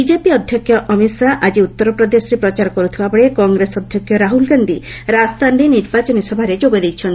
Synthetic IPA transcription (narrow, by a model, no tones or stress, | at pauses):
id͡ʒepiɔd̪ʱjɔkʰːjɔʔɔmisaʔad͡ʒiut̪ːɔɾɔpɾɔd̪esɔɾepɾɔt͡ʃaɾɔkɔɾut̪ʰibapɔɭekɔŋɡɾesɔd̪ʱjɔkʰjɔɾaɦulɡand̪ʱiɾast̪anɾiniɾbat͡ʃɔnisɔbʱaɾed͡ʒoɡɔd̪ejt͡ʃʰɔn